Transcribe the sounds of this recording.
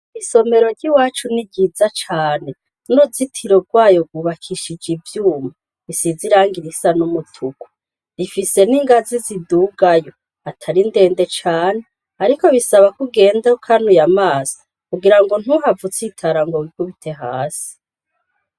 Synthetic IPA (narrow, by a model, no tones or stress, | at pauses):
iso̞me̞ɾo̞ɾɟiwaːt͡ʃuniɟizat͡ʃaːne̞ | nozitʰiɾo̞ɡwaːjo̞ɡuβakʰiʃid͡ʒivjuːma | isiziɾaːŋɡiɾisanumutʰuku̥ | ifise̞niŋɡaziziduːɡajo̞ | atʰaɾinde̞ːnde̞t͡ʃaːne | aɾiko̞βisaβakuɡe̞ːndaokʰanujamaːsḁ | kuɡiɾaŋɡo̞n̥huɦavut͡sitʰaɾaŋɡowikʰuβitʰe̞ɦaːsi̥